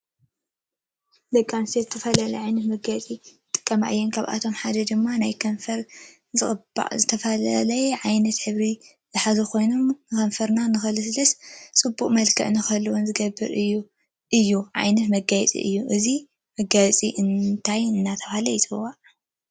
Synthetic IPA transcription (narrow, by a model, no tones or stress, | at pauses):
lɐkʼːamsɐzɨt̪ʰɐfɐlalɐjʕajnɐt̪mɐɡajt͡sʼi | t̪ʼɨ̥kʼːɐma̰ʔɨjːɛnkʰaβa̰t̪ʰo̞mħad̪ɐd̪ɨmːanajkʰɐɱfɐɾ | zɨxʼɨba̰zɨt̪ʰɐfɐlalɐjɛʕajnɐt̪ħɨβɾi | zɨħazukʰo̞jno̞mnɨkɐɱfɐɾnanɨxɐlɨslɐst͡sʼɨbːukʼmɐlkʰɐ̰ʔnɨkʰɐlːɐwonzɨɡɐbːɨɾɨjːu | ʔɨjːuʕa̰jnɐt̪mɐɡajɛt͡sʼḭʔɨ̰jːuʔɨzi | mɐɡajt͡sʼiʔɨnt̪ʰajɨnːat̪ʰɐfalɐjt̪ʰɨwa